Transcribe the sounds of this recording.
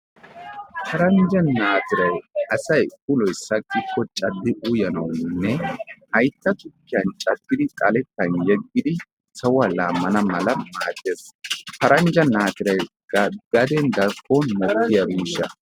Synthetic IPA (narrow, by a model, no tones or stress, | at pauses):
pʰɐɾɐnd͡ʒɐnːaːt̪ɪɾɐjɐsɐjkʊlɔjsɐkʼːɪkʰːɔt͡ʃʼɐd̪ːɪʔuʊjɐnɐ̰wnːɛhɐjt̪ːɐt̪ʊkːɪjɐnt͡ʃʼɐɡːɪd̪ɪtʼɐlɛt̪ːɐnjɛɡːɪd̪ɪ | sɐwɐlaːmːɐnɐmɐlɐmaːt̪ʼːeːspɐɾɐnd͡ʒɐnaːt̪ɪɾɐj | ɡɐɡɐd̪ɛnd̪ɐɾkʰːɔnmɔkːɪjabiːʃːɐ̰